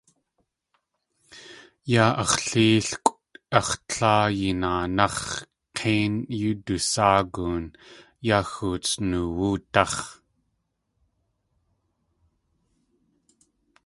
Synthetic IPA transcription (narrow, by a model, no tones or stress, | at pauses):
jaːʔɑχɬiːɬkʷʼu̥t̪ɑχt͡ɬʰaːjinaːnɑχ | qʰeːnjud̪usaːɡuːn | jaːxut͡snuwuːt̪ɑχ